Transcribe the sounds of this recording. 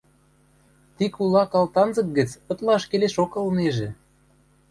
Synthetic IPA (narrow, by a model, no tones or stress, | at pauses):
t̪ikulɑkɑlt̪ɑnzɤ̆k̚ɡə̆t͡sɤ̆t̪lɑʃkeleʃokɤ̆lneʒĕ